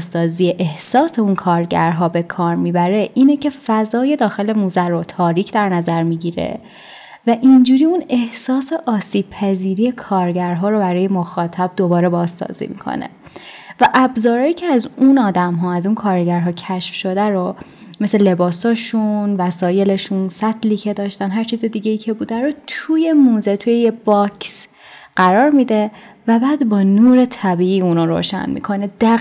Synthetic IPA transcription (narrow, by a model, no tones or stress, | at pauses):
sːɒːzieʔehsɒːse̞unkʰɒːɾɟæɾɦɒːbe̞kʰɒːɾmiːbæɾe̞ʔiːnecʰe̞fæzɒːje̞d̪ɒːxe̞le̞muːzæɾot̪ʰɒːɾiːcʰd̪æɾnæzæɾmiːɟiɾe̞̰ | væʔind͡ʒuːɾiune̞hsɒːseʔɒːsiːb̥̚pʰæziːɾije̞kʰɒːɾɟæɾɦɒːɾobæɾɒːje̞moxɒːt̪ʰæb̚d̪o̞bɒːɾe̞bɒːzːɒ̰ːzḭːmḭkʰo̰nḛ | væʔæbzɒːɾɒːjiːcʰeæzunɒːd̪æmɦɒːæzunkʰɒːɾɟæɾɦɒːcʰæʃfʃo̞d̪æɾo | mesele̞bɒːsɒːʃunvæsɒːje̞le̞ʃunsæt̪ʰliːcʰe̞d̪ɒːʃt̪ænɦæɾt͡ʃʰiːzed̪iɟejiːcʰe̞buːd̪æɾot̪ʰuːje̞muːzet̪ʰujejebɒcʰs | ɢ̥æɾɒːɾmiːd̪e̞ | væbæːd̪bɒːnuːɾe̞t̪ʰæbiːiːunɒɾo̰ːʃæ̰nmḭkʰo̞ned̪̥æ